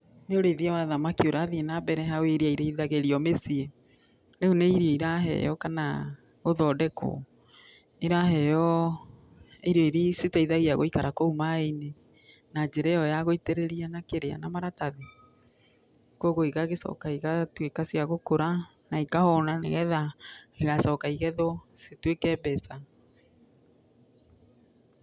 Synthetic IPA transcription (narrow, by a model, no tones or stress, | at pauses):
neoɾeðiawaðamakioɾaðienabɛɾɛɦaweɾeaiɾeiðaɣeɾiɔmesie | ɾeuneiɾiɔiɾaɦɛ̰jɔkana̰ | ɣoðɔːdɛko̰ | eɾaɦɛjɔ | eɾɔiɾesetaiðaɣiaɣoikaɾakoumaeine | nad͡ʒɛɾɛɔjaɣoiteɾeɾianakeɾea̰namaɾataðe | koɣoiɣaɣesɔ̰kaiɣatwekasijaɣokoɾa | naikahɔnanḛɣɛðaeɣasɔkaiɣɛðwɔsetwekɛbɛsa